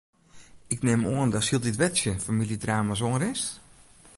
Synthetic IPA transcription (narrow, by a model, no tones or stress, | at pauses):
ɪknɪmoəndɔsilˠditʋɛtsjəfamilˠjədraːmas̬oŋəɾɪs